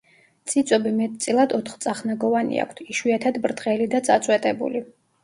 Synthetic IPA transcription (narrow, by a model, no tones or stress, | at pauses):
t̪sʼit̪sʼɔbimɛt̪̚ʼt̪sʼilˠad̪ɔt̪ʰχt̪sʼaχnaɡɔvanḭa̰kʷʰt̪ʰiʃwiat̪ʰad̪bɾd̪ʁɛlid̪at̪sʼat̪sʼwɛt̪ʼɛbṵli